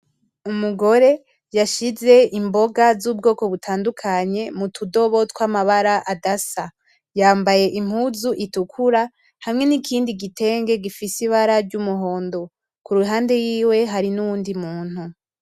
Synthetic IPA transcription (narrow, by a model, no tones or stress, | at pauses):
umuɡo̞ɾe̞ | jaʃize̞ʔimbo̞ɡazub̚ɡo̞ːko̞βutʰaːndukʰaɲe̞mutʰudo̞βo̞twamaβaɾaʔadasa | jaːmbaje̞ʔim̥huzuʔitukʰuɾa | hamŋe̞nikʰiːndiɡite̞ːŋɡe̞ɡifisiβaɾaɾɟumuɦo̞ːndo | kuɾuɦaːnde̞jiːwe̞ɦaɾinuwuːndimuːn̥hu